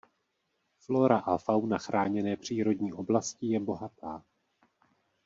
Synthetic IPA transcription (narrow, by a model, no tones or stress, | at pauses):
flo̞ɾaʔafawnaxɾʔaːɲɛnɛːpr̝̥iːɾo̞dɲiːʔo̞blascɪjɛbo̞ɦat̪ʰaː